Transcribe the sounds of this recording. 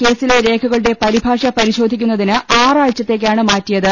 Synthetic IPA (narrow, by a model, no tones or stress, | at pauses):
ke̞ːsileɾe̞ːkʰuɣɐɭɨɽe̞pɐɾibʱaːʂɐpɐɾiɕo̞ːd̪ʱikʲːunːɐðinɨaːraːɻt͡ɕːɐt̪ːe̞ːk̬ːaːɳɨmaːtːijɐðɨ